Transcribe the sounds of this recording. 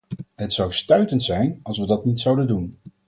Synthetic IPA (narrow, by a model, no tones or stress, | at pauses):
ɦətsɑwstœɥtəntsɛjnɑlˠsʋədɑtnitsɑwdəndun